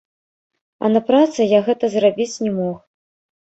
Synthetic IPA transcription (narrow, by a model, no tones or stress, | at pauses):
ɐ̰nɐpɾat̪sɨjaɣɛt̪ɐzrabʲit͡sʲnʲɛmɔx